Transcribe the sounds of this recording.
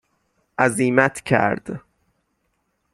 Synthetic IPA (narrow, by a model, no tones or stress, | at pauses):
ʔæziːmæt̪ʰcʰæ̰ɾd̪̥